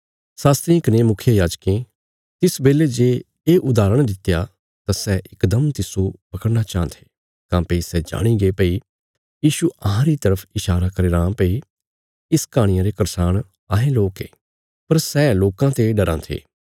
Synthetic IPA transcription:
saːst̪ɾĩknemʊkʰɪjəjaːd͡ʒkẽ | t̪ɪsbeːled͡ʒeː | ʔʊd̪aːɾəɽ̃d̪ɪt̪ːja | t̪asɛʔɪkd̪əmt̪ɪsopɐkəɽnat͡ʃaːnt̪ʰe̥ː | kãːpəisɛd͡ʒa̰ːɽ̃iɡepəi | jiːʃuɐɦãɾit̪ɐɾəpʰɪʃaːɾakɐɾeːɾãːpəi | ɪskaːɽ̃ɪjãɾekɐɾsaːɽ̃ | aːɦẽloːkeː | pɐɾsɛːloːkãt̪eɖɐɾã̰ːt̪ʰḛː

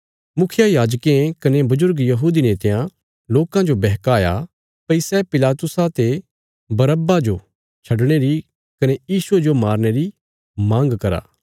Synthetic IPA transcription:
mʊkʰɪjajaːd͡ʒkẽkɐnebʊzʊɾɡjɐɦuːd̪ineːt̪ejã | loːkãd͡ʒobɛɦkaːja̰ | pɐisɛpɪlaːt̪ʊsat̪e | bɐɾəbad͡ʒo | t͡ʃʰɐɖɽ̃eɾi | kɐnejiːsʊed͡ʒomaːɾñeɾi | mãːŋɡkɐɾa̰ː

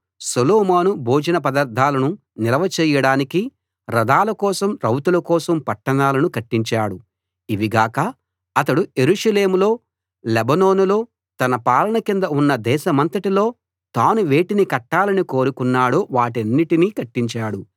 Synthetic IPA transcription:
soloːmaːnubʱoːd͡ʒɐnɐpɐd̪ɐɾd̪ʱːaːlɐnu | nilɐʋɐt͡ʃɛːjɐɽaːniki | ɾɐd̪aːlɐkɔːsɐmɾɐwt̪ulɐkɔːsɐmpɐʈːɐnaːlɐnukɐʈːiɲt͡ʃaːɽu | iʋiɡaːkɐ | ɐt̪ɐɽuje̞ɾuʂɐleːmulo̞ː | lebɐnoːnulo̞ː | t̪ɐnɐpaːlɐɳɐkind̪ɐunːɐd̪ɛːʃɐmɐnt̪ɐʈilo̞ː | t̪aːnuʋe̞ːʈinikɐʈːaːlɐniko̞ːɾukunːaːɽoːʋaːʈeɐnːiʈinikɐʈːiɲt͡ʃaːɽu

